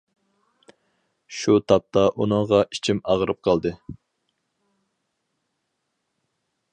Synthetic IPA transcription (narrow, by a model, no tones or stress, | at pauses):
ʃut̪ʰɑp̚t̪ʰɑʔunɨŋʁɑʔi̥t͡ʃʰimɑʁəɾɨp̚qʰɑlˠd̪ɨ